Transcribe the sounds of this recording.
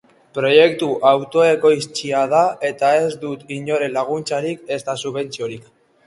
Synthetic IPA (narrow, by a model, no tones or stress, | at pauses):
pɾo̞je̞kt̪uʔawt̪o̞e̞ko̞ist͡siað̞ae̞t̪ae̞zd̪ut̪ɡiɲo̞ɾe̞laɣ̞unt͡saɾike̞st̪asuβe̞nt͡sio̞ɾik